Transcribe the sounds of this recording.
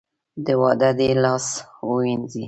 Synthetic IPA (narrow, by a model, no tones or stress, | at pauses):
d̪əwɑd̪ad̪elɑswəwinzi